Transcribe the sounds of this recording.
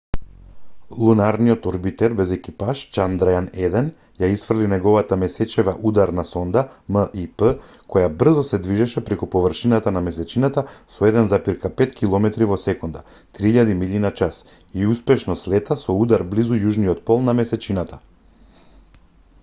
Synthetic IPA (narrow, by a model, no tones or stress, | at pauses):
lˠunaɾnijɔt̪ɔɾbit̪ɛɾbɛzɛkipaʃt͡ʃand̪ɾajanɛd̪ɛn | jaisfr̩linɛɡɔvat̪amɛsɛt͡ʃɛvaʔud̪aɾnasɔnd̪aməʔipə | kɔjabr̩zɔsɛd̪viʒɛʃɛpɾɛkupɔvr̩ʃinat̪anamɛsɛt͡ʃinat̪asɔɛd̪ɛnzapiɾkapɛt̪kʰilˠɔmɛt̪ɾivɔsɛkɔnd̪a | t̪ɾiiʎad̪imilinat͡ʃas | iuspɛʃnɔslɛt̪asɔud̪aɾblizujuʒniɔt̪̚pɔlˠnamɛsɛt͡ʃinat̪a